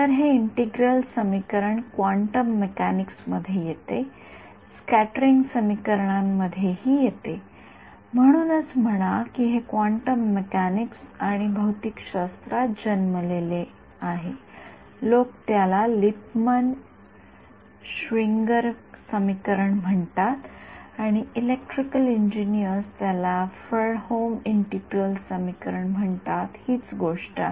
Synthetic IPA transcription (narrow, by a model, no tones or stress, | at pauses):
t̪əɾɦeiɳʈiɡɾəlsəmikəɾəɳkʋaɳʈəmːekæniksməd̪ʱːjejet̪e | skæʈəɾiŋɡsəmikəɾɳamːəd̪ʱːjehiːjet̪e | m̤əɽ̃uːnət͡sm̤əɽ̃akiɦekʋaɳʈəmːekæniksaɽ̃ibʱəwt̪ikɕast̪ɾad͡ʑənməlele | aɦe | lokt̪jalalip̚mən | ɕʋiŋɡəɾsəmikəɾəɳm̤əɳt̪at̪aɽ̃iːlek̚ʈɾikəliɲd͡ʑinijəɾst̪jalafəɭhomiɳʈiʈiəlsəmikəɾəɳm̤əɳt̪at̪hiːt͡sɡoʂʈa̰